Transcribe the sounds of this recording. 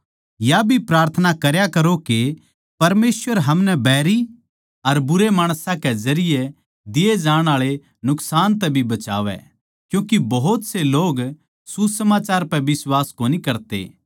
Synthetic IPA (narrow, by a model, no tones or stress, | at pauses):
jabʱipɾaːɾt̪ʰənakɐɾjakɐɾoke | pɐɾmeːsʋəɾɦɐmnɛbɛːɾi | ɐɾbʊɾemaːɽ̃sãkɛzɐɾɪje | d̪ɪed͡ʒaːɽ̃aːɭe | nʊksaːnt̪̬ɛbʱibɐt͡ʃa̰ːʋɛ̰ | kjũːkibɐɦʊt̪seloːɡ | susɐmaːt͡ʃaːɾpɛʋɪswaːskoːnikɐɾt̪ḛː